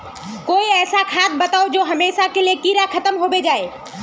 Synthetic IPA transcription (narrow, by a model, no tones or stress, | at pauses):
koːiɛːsakʰãːt̪̚bɐt̪aːod͡ʒoːɦɐmeːʃakeliekiːɾakʰɐt̪əmɦoːbed͡ʒaːe